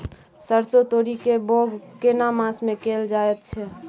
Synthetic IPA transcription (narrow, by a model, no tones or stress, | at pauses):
səɾsot̪oːɾikeboːɡkenamãsmẽkeːld͡ʒaːɛt̪̚t͡ʃʰɛː